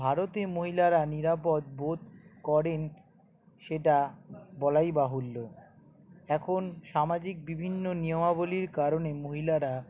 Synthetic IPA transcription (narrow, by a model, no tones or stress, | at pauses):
bʱaɾot̪emoɦilaɾaniɾap̬ot̪̚bot̪̚kɔɾen | ʃeʈabɔlajbaɦulːo | ɛkʰonʃamad͡ʑik̚bibʱinːonijomaboliɾkaɾonemoɦilaɾa